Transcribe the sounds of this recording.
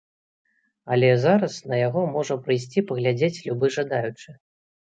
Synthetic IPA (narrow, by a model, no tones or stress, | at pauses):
ɐlʲɛzaɾɐsnɐjaɣɔmɔʐɐpɾɨjsʲt͡sʲipɐɣlʲad͡zʲet͡sʲlʲubɨʐad̪ajut͡ʂɨ